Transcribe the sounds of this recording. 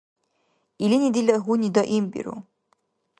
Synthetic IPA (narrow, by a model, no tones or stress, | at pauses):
ilinʲid̪ilʲɐɦunʲid̪ɔʔimbḭɾṵ